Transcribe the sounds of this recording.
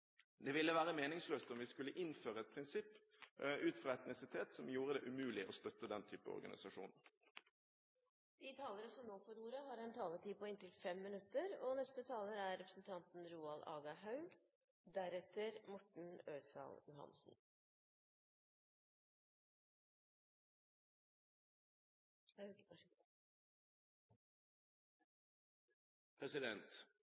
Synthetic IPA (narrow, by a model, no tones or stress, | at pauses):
d̪ɛʋɪlːəʋæːʁəmeːnɪŋsløːst̪ɔmʋɪskʉlːəʔɪnføːɾəɛt̪̚pʰʁɪnsɪpːʉːt̪fɾɑːɛt̪nɪsɪt̪ʰeːt̪sɔmjuːɾəd̪ɛːʔʉmʉːlɪʔɔst̪œt̪ːəd̪ɛnt̪ʰyːpə̰ɔ̰ɾɡɑ̰nɪ̰sɑʂṵːnəɾ | d̪̥ɪt̪ʰɑːləɾəsɔmnoːfɔɾuːɾəɦɑːɾɛnt̪ʰɑːləʈiːpʰɔɪnt̪ɪlfɛmːɪnʉt̪ːəɾɔnɛst̪ət̪ʰɑːləɾæɾɾɛpɾəsn̩t̪ʰɑnt̪n̩ɾuːɑlɑ̰ːɡɑɦɑʉl | d̪æɾɛt̪əɾmɔʈɳ̩øːsɑ̰ljʊɦɑ̰nsn̩ | pʰɾɛsɪd̪ɛnt̪